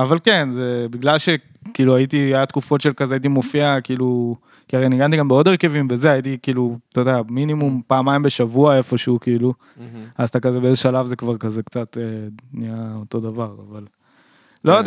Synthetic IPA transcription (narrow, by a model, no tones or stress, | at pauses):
avalkenzebiɡlalʃe̞ | kiːluajit̪iaat̪kufo̞t̪ʃelkazeait̪̬imo̞fiakiiːlu | kiaʁejniɡant̪iɡambeo̞d̪eʁke̞vimbe̞ze̞ajit̬ikiːlut̪odɛaminimumpaːmajmbe̞ʃavuaefo̞ʃeukiiːlu | azt̪akazebe̞ezeʃalavze̞kvaʁkazekt͡sat̪eniaoto̞d̪avaʁa̰val | lod